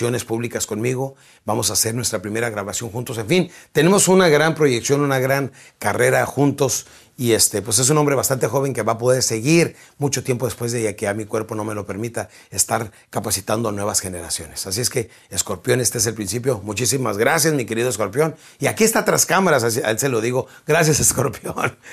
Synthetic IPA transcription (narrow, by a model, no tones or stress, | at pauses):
o̞ne̞spuβlikasko̞nmiɣo̞ | bamo̞sase̞ɾnwe̞st̪ɾapɾime̞ɾaɣɾaβasjo̞ŋxunt̪o̞se̞ɱfint̪e̞ne̞mo̞sunaɣɾampɾo̞ʝe̞ksjo̞nunaɣɾaŋ | kare̞ɾaxunt̪o̞s | iest̪e̞pwe̞s̬e̞s̬unombɾe̞βast̪ant̪e̞xo̞βe̞ŋke̞βapo̞ðe̞ɾse̞ɣiɾmut͡ʃo̞t̪je̞mpo̞ðe̞spwe̞zðeakeamikwe̞ɾpo̞no̞me̞lo̞pe̞ɾmit̪a | est̪aɾ | kapasit̪and̪o̞anwe̞βasxe̞ne̞ɾasjo̞̰ne̞̥sasie̞ske̞ː | sko̞ɾpjo̞ne̞st̪eeselpɾinsip̬jomut͡ʃisimazɣɾasjazmike̞ɾiðoesko̞ɾpjo̞n | iakie̞st̪at̪ɾaskamaɾasaa̰else̞lo̞ðiɣo̞ | ɡɾasjasesko̞ɾpjon